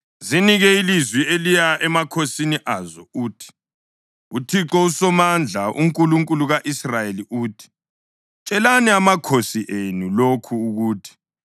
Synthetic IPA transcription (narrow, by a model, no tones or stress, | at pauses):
ziniɣɛilizwielijaʔɛmakʰosiniʔazɔ̰uːtʰi̥ | utʰiǁɔusɔmand͡ɮʱaʔṵŋkʼuluŋkʼuluɣaʔisrajeliʔuːtʰi̥ | t͡ʃʼɛlaniamakʰosiʔenulokʰuːɣuːtʰi̥